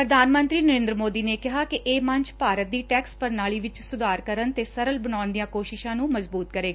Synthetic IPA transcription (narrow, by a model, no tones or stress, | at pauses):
pɾəd̪ʱaːnmə̃nt̪ɾiːnəɾẽːnd̪ɾəmoːd̪iːneːkɪɦaːkɪʔeːmə̃ɲt͡ʃpaːɾət̪̚d̪iːʈɛːkspəɾnaːɭiːʋɪt͡ʃsʊd̪aːɾkəɾənt̪eːsəɾəlbənaːʊnd̪ijãːkoːʃɪʃãːnũːməzbuːt̪̚kəɾeːɡaː